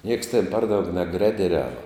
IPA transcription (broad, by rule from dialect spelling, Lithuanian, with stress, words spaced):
nʲiɛks tʲɛn ˈpɐr ˈdɐʊk nʲɛˈɡrʲæːdʲɛˌrʲæːʋɐ